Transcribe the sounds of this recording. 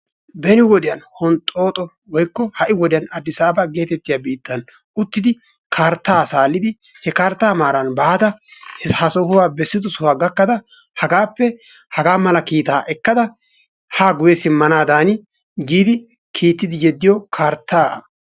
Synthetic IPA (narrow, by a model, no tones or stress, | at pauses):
bɛnɪwɔd̪ɪjɐnhɔnt̪ʼo̞ːt̪ʼɔ | wɔjkːɔhɐʔɪwɔd̪ɪjɐnɐd̪ːɪsaːbɐɡe̞ːt̪ɛt̪ːɪjabiːt̪ːɐn | ʊt̪ːɪd̪ɪ | kʰaːɾt̪ːaːsaːlːɪd̪ɪ | hɛkaɾt̪ːaːmaːɾɐnbaːt̪ɐhɐsɔhʊwaːbɛsːɪd̪ʊsʊwaːɡɐkːɐd̪ɐ | hɐɡaːpːɛ | hɐɡaːmɐlɐkiːt̪aːʔɛkːɐd̪ɐ | haːɡʊjɛsɪmːɐnaːd̪aːnɪ | ɡiːd̪ɪ | kʰiːt̪ːɪd̪ɪjɛd̪ːɪjɔkʰaːɾt̪ːaː